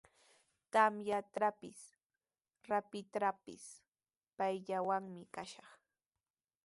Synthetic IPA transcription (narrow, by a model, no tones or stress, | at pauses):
t̪amjat̪ɾapɪs | ɾapɪt̪ɾapɪ̰s | pajʎawaŋmɪkaʃɑχ